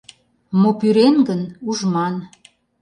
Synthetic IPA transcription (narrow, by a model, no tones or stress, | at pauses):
mopyɾenɡənuʒmɑn